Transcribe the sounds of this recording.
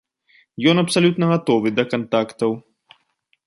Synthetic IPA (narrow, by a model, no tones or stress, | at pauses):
jɔnɐpsalʲut̪nɐɣat̪ɔvɨd̪ɐkant̪akt̪ɐw